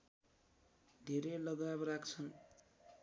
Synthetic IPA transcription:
d̪ʱeɾelʌɡabrakt͡sʰʌn

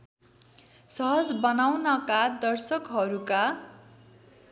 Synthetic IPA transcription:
sʌɦʌd͡zbʌnawnʌkad̪ʌrsʌkɦʌɾuka

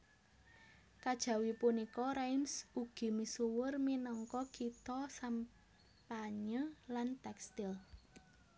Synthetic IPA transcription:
kad̥ʒ̥a̤wipunikɔɾajmsuɡ̥i̤misuwʊrminɔŋkɔkit̪ɔsam | paɲəlant̪ɛkst̪ɪl

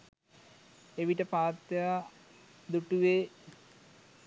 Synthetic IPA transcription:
eʋiʈəpaːt̪ja | d̪uʈuʋeː

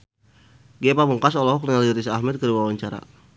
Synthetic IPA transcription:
ɡieapamuŋkas̬ɔlɔɦɔklinaliɾisahmɛt̪̚kəɾuwawaɲt͡ʃaɾa̰

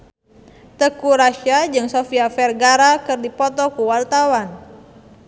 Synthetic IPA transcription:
t̪əkuɾaʃad͡ʒɨŋsofiafɛrɡaɾakɨrdipɔt̪ɔkuwalt̪awan

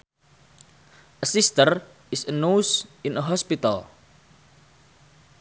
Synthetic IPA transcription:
ʔəsist̪ər | ʔɪsənusɪnəɦɔspit̪a̰l

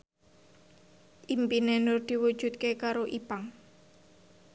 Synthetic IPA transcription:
ʔimpinenʊrd̪̥i̤wud̥ʒ̥ṳt̪̚kekaɾoʔipaŋ

